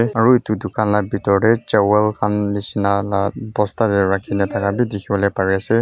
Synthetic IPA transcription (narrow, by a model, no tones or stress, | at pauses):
ɛaɹuitudʊkanlabitɔɹɾɛt͡ʃɛwɛlkʰanlisinalabɔstadɛɹakʰinɛtʰakabidikʰibɔlɔjpaɹiasɛ